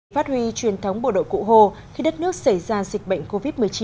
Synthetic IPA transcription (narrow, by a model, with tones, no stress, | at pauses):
faː˦˥t̚hwi˧t͡ɕwi˨˩ənt̪ʰə˨˦wŋ͡mɓo̰˧˨ɗo̰˧˨kṵ˧˨ɦo˧˩ | xi˧ɗə˦˥t̚nɨ˦˥ək̚sə˧˩jzaː˧˩zi˨˩k̟̚ɓə̰˧˨jŋ̟ko˧vi˦˥t̚mɨ˨˩əjt͡ɕi˨˦